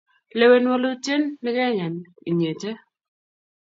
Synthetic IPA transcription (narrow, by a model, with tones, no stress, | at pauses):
le˨we˨nwo˦lo˦t͡ʃe˦nːɪ˦kɛ˦ɲɛ˨ni˨ɲe˨t͡ʃe˦